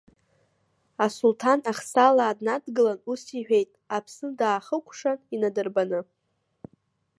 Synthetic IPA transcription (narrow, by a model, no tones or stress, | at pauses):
asultʰanaχsalaːdnadɡɨlanusiħʷᶣe̞jtʼapʰsɨndaːχəkʷʰʂaninadɨrbanɨ